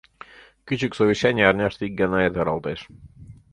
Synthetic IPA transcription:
kʲyt͡ɕyksoʋʲiɕːænʲijɑrnʲɑʃt̪ik̚ɡɑnɑet̪ɑɾɑlˠt̪eʃ

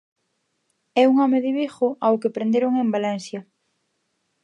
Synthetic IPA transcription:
ɛuŋɔmeðɪβixʊʔawkepɾend̪eɾoŋembalɛnsjɐ

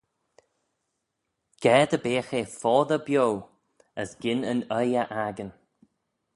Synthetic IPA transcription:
ɡ̥ɛːd̪əbeːxefɔːðəbjow | əsɡ̥ɪnənəjəʔaɡən

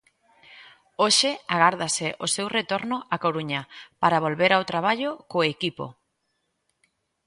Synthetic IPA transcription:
oʃɪaɣ̞aɾðasɪʔosewret̪oɾnʊʔakoɾuɲapaɾaβ̞olβeɾawt̪ɾaβ̞aʎokoekipo̰

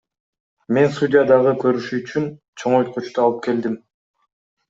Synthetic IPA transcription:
me̞nsud̪ʲɪjad̪ɑʁəkʰø̞ɾyʃyːt͡ʃyn | t͡ʃʰo̞ɴojt̪̚qut͡ʃt̪uɑlˠɯp̚ke̞ld̪im

